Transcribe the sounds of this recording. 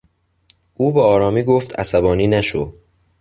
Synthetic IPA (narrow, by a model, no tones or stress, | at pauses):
ʔuːbeɒːɾɒːmiːɡoft̪æ̰sæbɒːniːnæʃo